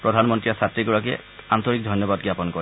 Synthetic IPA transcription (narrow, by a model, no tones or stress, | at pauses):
pɹɔdʱanmɔntɹijasatɹiɡɔɹakɛ | ant̪ɔɹik̚dʱɔjnjɔbadɡɹapɔnkɔ